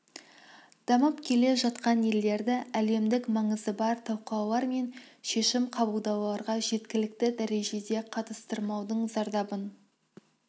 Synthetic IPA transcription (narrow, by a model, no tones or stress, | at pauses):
d̪̥ɑməpkʲʰe̞le̞ʒɑt̪qɑnje̞lːe̞ɾd̪ɪæle̞md̪ɪkmɑɴəzəbɑɾt̪ʰɑwqɑwlˠɑɾme̞nʃe̞ʃɪmqʰɑbəlˠd̪ɑwlˠɑɾʁɑʒe̞t̪kʲɪlɪk̚t̪ɪd̪æɾe̞ʒe̞d̪e̞qʰɑt̪ə̥st̪əɾmɑwd̪əɴzɑɾd̪ɑbən